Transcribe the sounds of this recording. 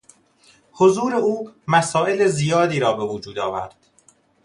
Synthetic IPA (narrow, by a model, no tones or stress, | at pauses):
hozuːɾe̞uːmæsɒːʔe̞lezijɒːd̪iːɾɒːbe̞vod͡ʒuːd̪ɒːvæ̰ɾd̪̥